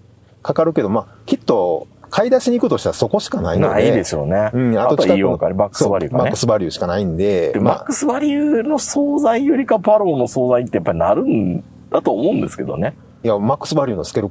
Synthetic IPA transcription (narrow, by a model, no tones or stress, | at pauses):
kakaɾɯ̟ke̞d̪o̞ma | kʲit̪ːo̞ | kʰaid̪aɕiɲ̟ikɯ̟t̪o̞ɕt̪aɾasoko̞ɕi̥kana̰inoaaied̪e̞ɕo̞̰ːne̞ɯ̃ɴatat̪ooikijõkaɾʲimakːɯ̥soɨbaɾḭɯɡamankːɯ̟sɨbaɾʲɯ̟ɕi̥kanaĩnd̪e̞emma̰kːɯ̟sɨbaɾʲiɯno̞soːzaijoɾʲikapaɾo̞ːno̞so̞ːzait̪ːe̞japːaɾʲinaɾɯ̟̃n | d̪̥at̪oːmo̞ɯ̟̃nd̪e̞sɨ̥ke̞d̪o̞̰ne̞ | jamakːɯ̥sɨbaɾʲiɯ̟nosɨ̥keɾɯ